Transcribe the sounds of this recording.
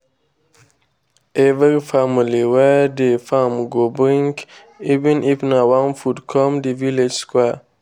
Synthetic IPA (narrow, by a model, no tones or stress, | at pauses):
ʔevəɾifamiliwɛdefamɡobɾĩŋk | ivɛ̃nʔifnawãnfutkʰɔ̃mdiviled͡ʒskwɛ